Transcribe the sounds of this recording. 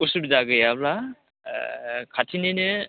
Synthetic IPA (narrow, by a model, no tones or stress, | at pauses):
usubidaɡɯjabla̰ | kʰatʰinenɯ